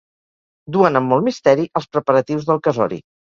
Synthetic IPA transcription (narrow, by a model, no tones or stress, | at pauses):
d̪uənəmːɔlˠmist̪ɛɾiʔəlˠspɾəpəɾət̪iwzðəlˠkəzɔ̰ɾḭ